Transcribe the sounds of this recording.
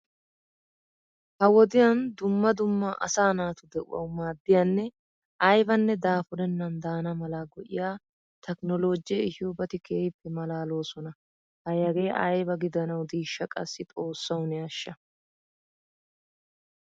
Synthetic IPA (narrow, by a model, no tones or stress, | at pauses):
hɐwɔd̪ɪjɐnd̪ʊmːɐd̪ʊmːɐʔɐ̰saːnaːt̪ʊd̪ɛʔʊ̰wɐ̰wmaːd̪ːɪjanːɛ | ɐjbɐnːɛd̪aːfʊɾɛnːɐnd̪aːnɐmɐlaɡɔʔɪ̰jaː | t̪ʰɛknɔlo̞ːd͡ʒɪjɛɪhɪjobɐt̪ɪkʰeːjɪpːɛmɐlaːlo̞ːsɔnɐ | hɐjɐɡe̞ːʔɐ̰jbɐɡɪd̪ɐnɐwd̪iːʃːɐkʼɐ̰sːɪt̪ʼo̞ːsːɐwnɪɐʃːɐ